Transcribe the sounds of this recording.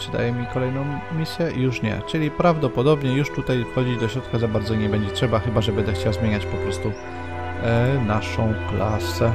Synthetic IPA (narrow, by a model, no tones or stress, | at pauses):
pʂɨd̪a̰jɛmʲikɔlɛjnɔ̃w̃mʲisʲjɛʔjuʂɲɛ̰t͡ʂɘlʲipɾavd̪ɔpɔd̪ɔbɲɛjuʂt̪ut̪ajfxɔd͡ʑid̪ɔɕɾɔt̪kazabaɾd̪zɔɲɛbɛɲd͡ʑɛtʂɛbaxɘbaʐɛbɛnd̪ɛxt͡ɕawzmʲeɲat͡ɕpɔpɾɔst̪u | naʂɔ̃w̃klasɛ